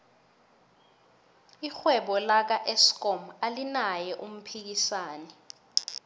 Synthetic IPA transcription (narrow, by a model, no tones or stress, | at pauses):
ixwɛɓɔlak̬aʔɛskɔmalinajɛʔum̩pʰik̬isaːnɛ